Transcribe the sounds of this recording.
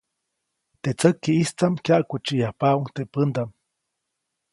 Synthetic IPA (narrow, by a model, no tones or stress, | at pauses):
t̪et͡səkːiist͡samkjaʔkut͡ʃijahpauŋt̪epənd̪am